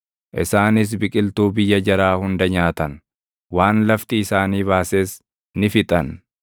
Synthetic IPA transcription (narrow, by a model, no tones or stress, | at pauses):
ʔɪ̰saːnɪs̬bɪkʼɪlt̪uːbɪjːɐd͡ʒɐɾaːhʊnd̪ɐɲaːt̪ɐn | waːnlɐft̪ɪɪsaːniːβaːseːs | nɪfɪt̪ʼɐn